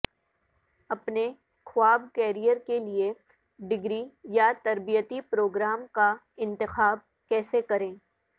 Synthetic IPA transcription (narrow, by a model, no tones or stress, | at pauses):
ɐpne | kʰwaːbkɛːɾijəɾkelie | ɖɪɡɾijat̪ɐɾbijət̪ipɾoːɡɾaːmka | ɪ̃nt̪ɪxaːb̚ | kɛːsekɐɾẽː